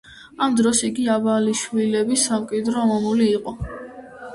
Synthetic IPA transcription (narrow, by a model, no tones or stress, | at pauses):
amd̪ɾɔsiɡiabaliʃwilɛbisamkʼid̪ɾɔmɔmuliːqʼɔ